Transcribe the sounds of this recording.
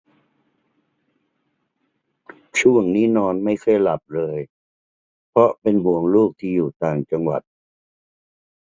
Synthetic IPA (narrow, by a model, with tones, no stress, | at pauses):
t͡ɕʰu˥˩əŋniː˦˥nɔː˧nma˥˩jkʰɤ˥˩jla˨˩p̚ɾɤː˧j | pʰɾɔ˦˥pe˧nmu˨˩əŋluː˥˩k̚t̪ʰiː˥˩juː˨˩t̪aː˨˩ŋt͡ɕa˧ŋwa̰˨˩t̪̚